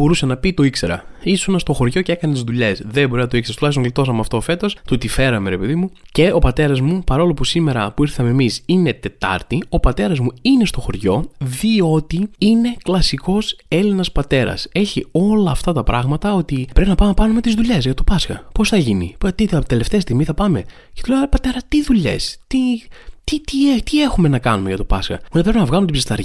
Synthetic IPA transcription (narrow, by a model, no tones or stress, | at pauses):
bo̞ɾusɐnɐpit̪o̞ikse̞ɾɐ̰isunɐst̪o̞xo̞ɾʝo̞ceekɐnet̪izðuʎe̞sðebo̞ɾinɐt̪oiksɐst̪ulɐçsoŋɡlit̪o̞sɐmɐft̪oːfe̞t̪o̞st̪ut̪ife̞ɾɐme̞ɾe̞pe̞ðimuce̞o̞pɐt̪e̞ɾɐzmupɐɾo̞lo̞pusime̞ɾɐpuiɾθɐme̞misine̞t̪e̞t̪ɐ̰ɾt̪io̞pɐt̪e̞ɾɐzmuine̞st̪o̞xo̞ɾʝo̞ðio̞t̪iine̞klɐsiko̞se̞linɐspɐt̪e̞ɾɐ̰se̞çio̞lɐːft̪ɐt̪ɐpɾɐɣmɐt̪ɐo̞t̪ipɾe̞pinɐpɐmpɐnume̞t̪izðuʎe̞zʝɐt̪opɐskɐ̰po̞sθɐʝinḭpt̪it̪e̞left̪est̪iɣmiθɐpɐme̞ | cet̪ulepɐt̪e̞ɾɐst̪iðuʎe̞̰st̪it̪it̪iet̪ie̞xume̞nɐkɐnume̞ʝɐt̪opɐskɐ̰uepɾepinɐvɣɐlumt̪ibsist̪ɐɾi